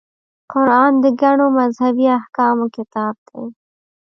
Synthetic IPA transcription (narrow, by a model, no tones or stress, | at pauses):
qʊɾɑːnd̪əɡaɳomazhabiahkɑmokɪt̪ɑːb̚d̪̥e